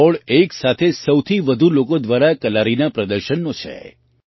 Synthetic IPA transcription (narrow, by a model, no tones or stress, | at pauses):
oɭeksat̪ʰesəwt̪ʰiʋəd̪ʱulokod̪ʋaɾakəlaɾinapɾəd̪əɾʃənːõt͡ʃʰḛ